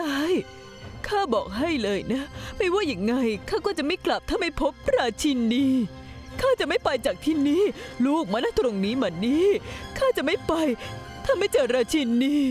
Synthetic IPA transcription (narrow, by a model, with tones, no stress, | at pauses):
a˧˥˩j | kʰaː˥˩bɔː˨˩k̚ɦa˥˩jlɤː˧jna˦˥ma˥˩jwaː˥˩ja˨˧˩ŋːa˧jkʰaː˥˩kɔː˥˩t͡ɕa˨˩ma˥˩jkla˨˩p̚t̪ʰa˥˩ma˥˩jpʰo˦˥p̚ɾaː˧t͡ɕʰi˧nːiː˧˥ | kʰaː˥˩t͡ɕa˨˩ʔma˥˩jpa˧jt͡ɕaː˨˩k̚t̪ʰiː˥˩niː˦˥˩luː˥˩k̚maː˧naː˥˩t̪ɾo˧ŋniː˦˥maː˧˩niː˦˥kʰaː˥˩t͡ɕa˨˩ʔma˥˩jpa˧j | t̪ʰaː˥˩ma˥˩jt͡ɕɤː˨˩t̪̚ɾaː˧t͡ɕʰi˧nːiː˧˥